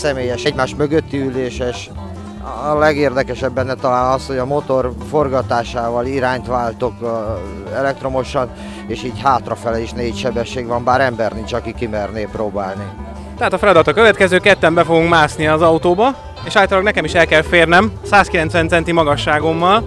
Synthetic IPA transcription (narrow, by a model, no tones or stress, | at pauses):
sɛmeːjɛʃɛɟmaːʃmøɡøt̪ːiyleːʃɛʃ | ɒlɛɡeːrd̪ɛkɛʃɛbːɛnːɛt̪ɒlaːnɒsho̞ɟɒmot̪o̞rfo̞rɡɒt̪aːʃaːvɒliɾaːɲt̪ʋaːlt̪ok | ɛlɛk̚t̪ro̞mo̞ʃɒn | eːʃiːɟɦaːt̪rɒfɛlɛiʃneːcʃɛbɛʃːeːɡʋɒmbaːɾɛmbɛrnint͡ʃɒkikimɛrneːproːbaːlni | t̪ɛɦaːt̪ɒfɛlɒd̪ɒt̪ɒkøvɛt̪kɛzøːkɛt̪ːɛmbɛfoɡuŋkmaːsniɒːzɒut̪oːbɒ | eːʃaːjt̪olɒɡnɛkɛmiʃɛlkɛlfeːrnɛmsaːskilɛnsʋɛnt̪sɛnt̪imɒɡɒʃːaːɡo̞mːɒl